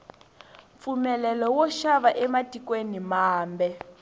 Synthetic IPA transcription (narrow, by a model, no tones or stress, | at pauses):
p̪fumɛlɛlɔwɔʃaβaʔɛmatʼikwenimaːmbɛ